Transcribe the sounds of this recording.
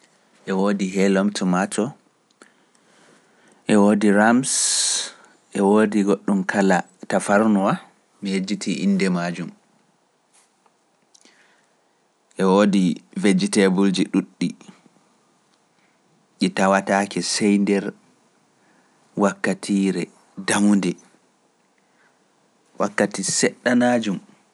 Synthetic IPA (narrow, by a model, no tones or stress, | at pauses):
ʔɛwoːdiɦɛlɔmtumatɔ | ʔɛwoːdiɾams | ʔɛwoːdiɡoɗːumkʰala | tafaɾnɔwa | mihed͡ʒːitʰiʔḭndɛmaːd͡ʒum | ʔɛwoːdived͡ʒːitɛbuld͡ʒiɗuɗːi | ɗitawatakɛsɛjndɛɾ | wakːatʰiɾɛ | damundɛ | wʔa̰kːatisɛɗːanaːd͡ʒum